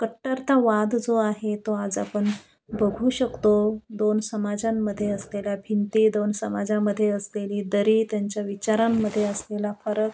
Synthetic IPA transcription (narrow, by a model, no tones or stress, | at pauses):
kəʈːaɾt̪aʋad̪d͡zoaɦet̪oad͡za̰pəɳ | bəɡʱuːɕəkt̪od̪onsəmad͡zãmːəd̪ʱːjeəslelabʱint̪iːd̪onsəmad͡zaməd̪ʱːjeəsleliːd̪əɾiːt̪jaɲt͡ɕjaʋit͡ɕaɾamːəd̪ʱːjeəslelafəɾək̚